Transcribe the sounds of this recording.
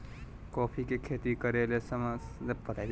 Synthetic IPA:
kɔːpʰikekʰet̪ikəɾelesəmpət̪a

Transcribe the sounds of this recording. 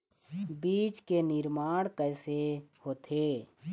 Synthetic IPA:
biːt͡ʃkenɪɾmaːɽkɛːsehoːt̪ʰeː

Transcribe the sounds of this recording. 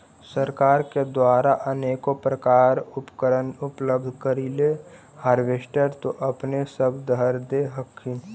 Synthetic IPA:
səɾkaːɾked̪waːɾaʔəneːkopɾəkaːɾʊpkəɾənʊpləbd̪ʱkəɾile | haːɾʋeːsʈəɾt̪oʔəpnesəbd̪ʱəɾd̪eɦəkʰːin

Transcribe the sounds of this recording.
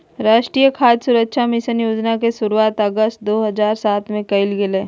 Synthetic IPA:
ɾaːʃʈɾijəkʰaːd̪sʊɾəkʃʰamɪsənjoːd͡ʒnakesʊɾuaːt̪əɡəst̪̚d̪oːɦɐzaːɾsaːt̪ʰmẽkɐɪlɡɪlẽː

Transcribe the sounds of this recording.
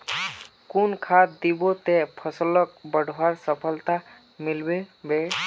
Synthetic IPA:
kunkʰad̪ibɔt̪ɛpʰɔsɔlɔk̚bəɖʱwaɹsɔpʰɔlt̪a | milbebe

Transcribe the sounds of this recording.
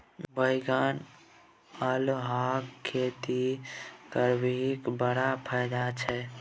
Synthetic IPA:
bəjɡan | əlɦakʰːet̪ikəɾbiikbəɽapʰɛd̪at͡ʃʰɛ

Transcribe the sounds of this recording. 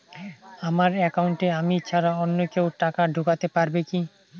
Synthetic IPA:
amaɾɛkawɳʈeamit͡ɕʰaɾaɔnːokewʈakaɖʱokat̪epaɾbeki

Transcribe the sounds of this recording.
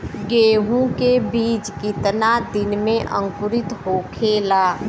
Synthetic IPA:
ɡeːɦũkebiːt͡ʃkɪt̪nad̪ɪnmẽʔə̰̃ŋkʊɾɪt̪ɦoːkʰeːlaː

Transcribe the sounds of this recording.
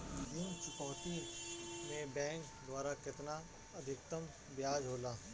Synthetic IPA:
d͡ʒint͡ʃʊkɔːt̪imẽbɛ̃ːŋk | d̪waːɾakɪt̪na | ɐd̪ʱɪk̚t̪əm | bjaːd͡ʒɦoːlaː

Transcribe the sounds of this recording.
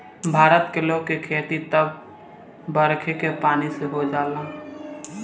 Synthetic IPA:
bʱaːɾət̪keloɡ̚kekʰeːt̪it̪əb | bəɾkʰekepaːniseɦod͡ʒaːla

